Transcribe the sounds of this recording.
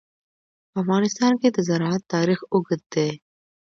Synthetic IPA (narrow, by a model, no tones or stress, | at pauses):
ɐfɣɑːnɪst̪ɑːnket̪ɐzɐɾaat̪ːaːɾiːxʊɡət̪̚d̪eː